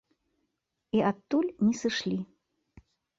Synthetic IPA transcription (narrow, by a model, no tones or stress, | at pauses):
iat̪ːulʲnʲɛsɨʂlʲi